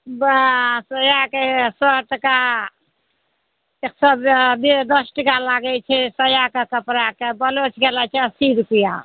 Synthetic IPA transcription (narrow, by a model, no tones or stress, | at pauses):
bsəjakesəʈəka | eksəbbed̪əsʈəkalaɡɛt͡ʃʰɛsəjakekəpɾakebəlot͡ʃʰɡelat͡ʃʰɛəsid̪pija̰